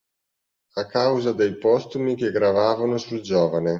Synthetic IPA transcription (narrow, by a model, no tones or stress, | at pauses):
akːawzad̪ejpɔst̪umik̟eɡɾavaːvanosud͡ʒɔːvane